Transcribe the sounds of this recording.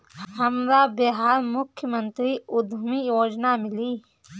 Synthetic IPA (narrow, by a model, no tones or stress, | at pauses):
həmɾabeɦaːɾmʊkʰjəmə̃nt̪ɾiʊd̪ʱmijoːd͡ʒnamɪliː